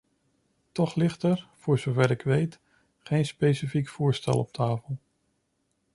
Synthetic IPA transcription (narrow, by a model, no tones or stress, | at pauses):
tɔχlɪχtɛɹv̥ʊːɹzowvɛɾɪkʋejt | χejnspejsifikfʊːɹstɛ̰lˠɔp̚tʰaːfəlˠ